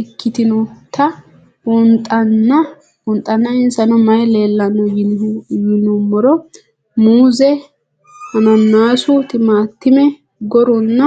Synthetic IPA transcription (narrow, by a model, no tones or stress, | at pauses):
ɛkːɪt̪ɪnɔt̪ʰɐ | wɔnt̪ʼɐnːɐ | wɔnt̪ʼːɐnːɐɪnsɐnɔmɐjle̞ːlːɐnːɔjɪjɪnumːɔɾɔ | muːzɛ | hɐnɐnːaːsʊt̪ɪmaːt̪ːɪmɛ | ɡɔɾɔnːɐ